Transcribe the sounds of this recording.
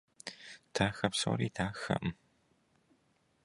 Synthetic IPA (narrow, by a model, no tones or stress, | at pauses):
tʰaːxɐpso̰ːɾiːtʰaːxɐ̰ʔm